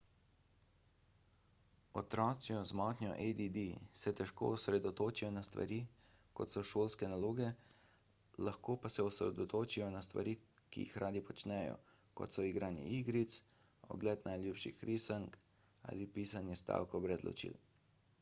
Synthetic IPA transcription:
ɔt̪ɾɔːt̪sijɔzmɔt̪nʲɔ̰ʔɛd̪id̪isɛt̪ɛʃko̰usɾɛd̪ɔt̪oːt͡ʃijɔnast̪ʋa̰ɾiːkɔt̪sɔʃoːlskɛnaloːɡɛ | laxkoːpasɛɔsɾɛ̰d̪ɔt̪oːt͡ʃijɔnast̪ʋa̰ɾiː | kḭjḭxɾʔaːd̪ipɔt͡ʃnɛjɔ̰kɔ̰t̪sɔiɡɾaːnḭʔiɡɾit̪s | ɔ̰ɡlɛt̪najlʲjuːpʃixɾʔisaŋk | a̰lipiːsanjɛst̪a̰ːwkɔbɾɛzlɔ̰t͡ʃḭːl

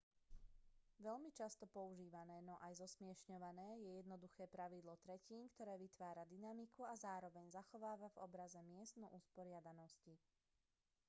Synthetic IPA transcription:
ʋɛʎmit͡ʃast̪ɔpɔuʒiːʋanɛːnɔʔajzɔsmɪɛʃɲɔʋanɛːjɛjɛd̪nɔd̪uxɛːpɾaʋid̪lɔt̪ɾɛciːnkt̪ɔɾɛːʋit̪ʋaːɾad̪inamikuazaːɾɔʋɛɲzaxɔʋaːʋavɔ̰bɾazɛmɪɛst̪nɔʔuspɔɾɪad̪anɔsci

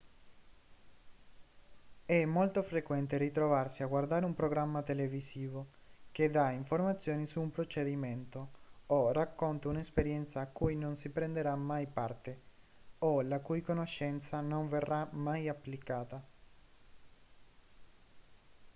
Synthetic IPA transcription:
ɛmːolt̪ofɾekwɛnt̪erit̪ɾovarsiaɡward̪aːɾeumpɾoɡɾamːat̪elevisiːvok̟ed̪aiɱformat̪sːjoːnisuːmpɾot͡ʃed̪imɛnt̪oorakːont̪aunespeɾjɛnt̪saːkːujnonsipɾɛnd̪eɾamajpart̪e | olakujkonoʃːɛnt̪sanoɱverːamajapːlikaːt̪a

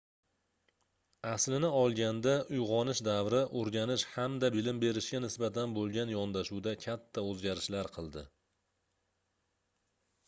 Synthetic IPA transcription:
aslɪnɪɒlˠɡʲand̪aʔʊjʁɒnɪʃd̪avɾɪʔoɾɡʲanɪʃhamd̪abɪlɪmbe̞ɾɪʃɡʲanɪsbat̪ʰanbolˠɡʲanjɒnd̪aʃuwd̪akʲʰat̪ʰːaɵzɡʲaɾɪʃlaɾqʰɨlˠd̪ɪ

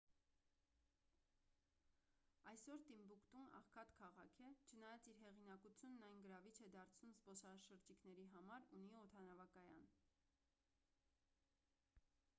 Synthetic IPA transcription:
ɑjsɔɾt̪imbukt̪unɑ̰χkʰɑt̪kʰɑʁɑkʰɛt͡ʃʰənɑjɑt͡siɾɦɛʁinɑkut͡sʰjunːɑjnɡəɾɑvit͡ʃʰɛd̪ɑɾt͡sʰnumzbɔsɑʃəɾd͡ʒiknɛɾiɦɑmɑɾuniɔt̪ʰɑnɑvɑkɑjɑ̰n

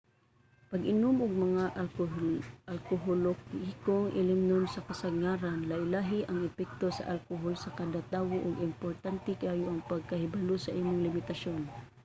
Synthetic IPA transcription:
pɐɡʔɪnʊmʔʊɡ̚mɐŋaʔ | ɐlkoɦolokikoŋʔɪ̰lɪmnonsɐkɐsɐɡ̚ŋaːɾanlɐʔɪlaːɦɪʔɐŋɛpɛk̚t̪o̞sɐ̰ʔɐlkoɦolsɐkad̪at̪aːwoʔʊɡɪmpoɾt̪ant̪ɛkaːjʊʔɐŋpɐɡ̚kɐhɪbɐlosɐʔiːmoŋlɪmɪt̪ɐʃon

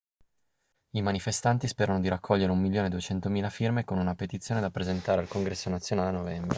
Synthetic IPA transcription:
imanifest̪ant̪ispeːɾanod̪iɾakʰːɔʎːeɾeumːilːjoːned̪uet͡ʃɛnt̪omiːlafirmekonunapet̪it̪sjoːned̪apɾezent̪aːɾealkoŋɡɾɛsːonat̪sːjonaːleanovɛmbɾe

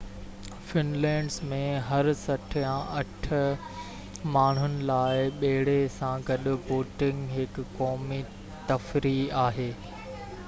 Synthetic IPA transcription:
fɪnlɛ̃ːɖzmẽɦɐɾsɐʈʰjãʔɐʈ̆ʰ | maːɳ̤ɦʊnɪ̆laːɪɓeɦɪɽesãɡɐɗʊ̆boːʈɪ̃ŋɡɦɪkːɔːmi | t̪ɐfɾiaːɦeː

